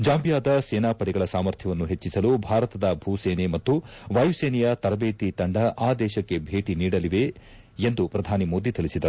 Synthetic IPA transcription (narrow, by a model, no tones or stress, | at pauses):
d͡ʒaːmbijaːd̪ɐseːnaːpɐɽɛɡɐɭɐsaːmɐɾt̪ʰjɐʋɐnːuɦe̞t͡ʃːisɐlubʱaːɾɐt̪ɐd̪ɐbʱuːseːnemɐt̪ːuʋɐjuseːnɛjɐt̪ɐɾɐbeːt̪it̪ɐɳɖɐʔaːd̪ɛːʃɐkːe̞bʱeːʈiniːɽɐliʋe̞ | end̪upɾɐd̪ʱaːnimo̞ːd̪it̪iɭisid̪ɐɾu